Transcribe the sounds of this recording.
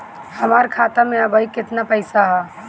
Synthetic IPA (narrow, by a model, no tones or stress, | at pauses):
həmaɾkʰat̪ameəbəikɪt̪napəɪsaɦɛ